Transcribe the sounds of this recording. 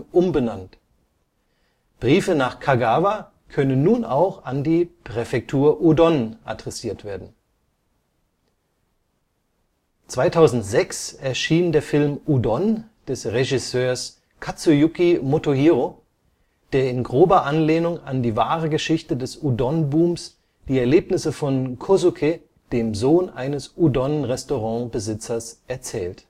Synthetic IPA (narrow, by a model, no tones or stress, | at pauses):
ʔʊmbənant | b̥ʁiːfənaːχkʰaɡaːva | kʰœnənːuːnʔa̰ʊxandiːpʁ̥ɛfɛk̚tʰuːɐʔudɔnʔa̰dʁɛsiːɐtv̥eːɐdn̩ | t͡sv̥aɪtʰaʊzn̩tz̥ɛksɛɐʃiːndeːɐfɪlmʔudɔnd̥ɛsʁeʒɪsøːɐs | kʰat͡sujukimotohiːʁo | d̥eːɐɪnɡʁoːbɐʔanleːnʊŋa̰ndiːvaːʁəɡəʃɪçtədɛsudɔnbuːms | d̥iːɛɐleːpnɪsəfɔnkʰozukʰe | d̥eːmzoːnʔaɪnəsʔudɔnʁɛstoʁɑ̃bəzɪt͡sɐsʔɛɐt͡sɛːlt